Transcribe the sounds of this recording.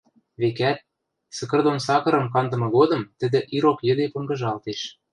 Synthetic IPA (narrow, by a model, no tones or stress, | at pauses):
βekæt̪̚ | sə̆kɤ̆rd̪onsɑkɤ̆ɾɤ̆mkɑnd̪ɤ̆mɤ̆ɣod̪ɤ̆mt̪ə̆d̪ɘ̆ʔiɾokjə̆d̪epŏŋɡɤ̆ʒɑlt̪eʃ